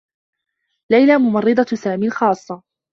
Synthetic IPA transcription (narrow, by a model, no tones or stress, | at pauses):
lajlamʊmɑrˤːɨd̪ˤɑsaːmiːlxɑːsˤːɑ